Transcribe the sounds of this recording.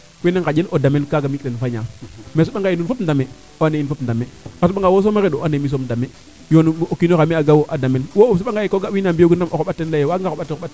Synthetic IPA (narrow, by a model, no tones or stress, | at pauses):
weneŋkad͡ʒelʔodamelkaɡamikɾenfaɲames̬uɓaŋɡajinunfopndame | oanejinfopndameasuɓaŋɡawos̬omaɾedoanemis̬omdame | jonokinoameaɡawoʔadamelwosuɓaŋɡajikoɡawinambioɡunamʔokoɓatːenlajewaɡaoɓatːɓat